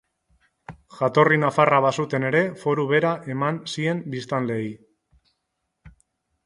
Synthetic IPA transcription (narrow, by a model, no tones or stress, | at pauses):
ʝat̪o̞rinafaraβasut̪e̞ne̞ɾe̞fo̞ɾuβe̞ɾaʔe̞mansie̞mbist̪anle̞j